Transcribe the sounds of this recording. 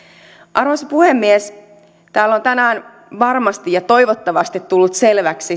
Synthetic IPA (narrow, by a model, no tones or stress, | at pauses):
ʔɑrosɑpuhe̞mːies | t̪æːlːo̞nt̪ænæːn | ʋɑrmɑst̪ijɑt̪o̞jʋot̪ːɑʋɑst̪it̪t̪ːulːut̪se̞lʋæksi